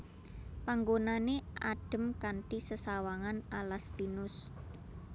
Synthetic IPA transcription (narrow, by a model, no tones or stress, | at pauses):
paŋɡonaneʔa̰ɖ̥ə̤mkanʈisəsawaŋanalaspinʊs